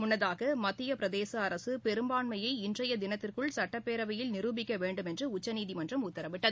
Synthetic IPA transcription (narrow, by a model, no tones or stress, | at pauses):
mʊnːɐðaːɣɐmɐt̪ːɪjɐpɪɾɐðeːsɐːɾɐsɯpɛɾɯmbaːɳmɐjɐɪɪndrɐjɐd̪ɪnɐt̪ːɪrkɯɭsɐʈːɐpːeːɾɐʋɐjɪlnɪɾuːbɪkːɐʋeːɳɖɯmɛndrɯʊt͡ʃːɐniːðimɐndrɐmʊt̪ːɐɾɐʋɪʈːɐðɯ